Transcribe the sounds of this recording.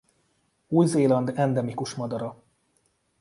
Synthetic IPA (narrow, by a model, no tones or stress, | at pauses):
uːjzeːlɒnd̪ɛnd̪ɛmikuʃmɒd̪ɒɾɒ